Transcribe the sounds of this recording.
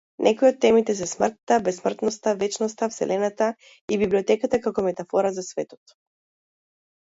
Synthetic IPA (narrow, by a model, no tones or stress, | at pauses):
nʔɛkɔjɔt̪̚ːɛmit̪ɛsɛsmr̩t̪ːabɛsmr̩t̪nɔst̪avɛt͡ʃnɔst̪afsɛ̰lʔɛnat̪a | ibibliɔt̪ɛkat̪akakɔmɛt̪afɔɾazasvɛt̪ɔ̥t̪